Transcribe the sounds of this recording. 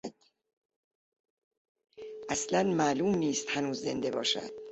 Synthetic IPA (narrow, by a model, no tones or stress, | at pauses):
d̪̥ | ʔæslænmæːluːmniːst̪hænuːzːe̞nd̪e̞bɒ̰ːʃæ̰d̪̥